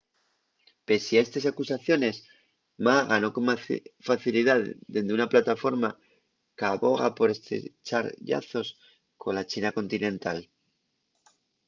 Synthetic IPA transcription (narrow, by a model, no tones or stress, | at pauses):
pe̞siaest̪esakusaθjo̞ne̞s | maɣano̞ko̞mfaθiliðaðd̪e̞nd̪eunaplat̪afo̞ɾma | kaβo̞ɣa̰po̞ɾe̞st̪ɾḛt͡ʃaɾʎa̰θo̞s | kʰo̞nlat͡ʃinako̞nt̪inẽ̞nt̪al